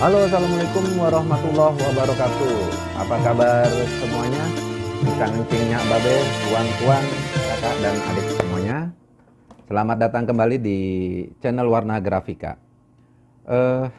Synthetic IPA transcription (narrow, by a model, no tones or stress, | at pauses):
ʔaloas̬alamalekʊmwaɾɔhmat̪ulːɔɦwabaɾɔkat̪u | a̰pakabarsəmuaɲabisaŋt͡ʃɪŋɲaʔbabɛt̪uant̪uankakaʔdana̰dɪk̚səmuaɲa | səlamat̪̚dat̪aŋkəmbalidit͡ʃɛnəlwarnaɡɾafika̰ʔ | ʔə